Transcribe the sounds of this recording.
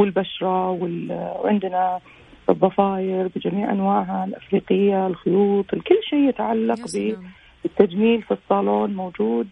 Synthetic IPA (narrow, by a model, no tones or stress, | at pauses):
wɪlbaʃɾˤɑwɪlʕɪ̰nd̪na | bɨðˤːɑfɑːjɪɾbɪd͡ʒamiːʕʔa̰nwaːʕɦalʔafɾiːqɪjːalxʊjuːt̪ˤɪlkʊlːʃeːjɪt̪ʕalːɑqbɪ | ɪt̪ːad͡ʒmiːlfisˤːɑːloːnmoːd͡ʒuːd̪